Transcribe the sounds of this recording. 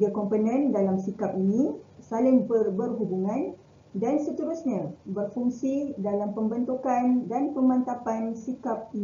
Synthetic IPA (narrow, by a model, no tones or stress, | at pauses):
ɡəkɔmpənə̃ndalamsikapinĩsalɪŋbərbərɦubuŋãn | dansət̪uɾusɲabərfuŋsidalampəmbənt̪ukandanpəmãnt̪apansikap̚i